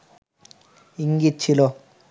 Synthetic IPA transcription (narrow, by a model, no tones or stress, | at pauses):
iŋɡit͡ʃʰːilo